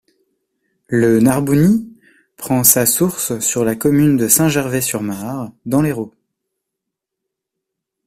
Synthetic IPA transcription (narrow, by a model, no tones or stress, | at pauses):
lənaʁbuni | pχɑ̃sasuʁssyʁlakɔmynd̪əsɛ̃ʒɛʁvɛsyʁmaʁd̪ɑ̃leʁo